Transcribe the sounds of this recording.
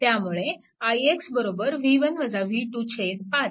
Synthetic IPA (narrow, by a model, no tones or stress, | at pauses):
t̪jamuɭe | ajeksbəɾobəɾʋiʋənʋəd͡zaʋiʈut͡ɕʰed̪pat̪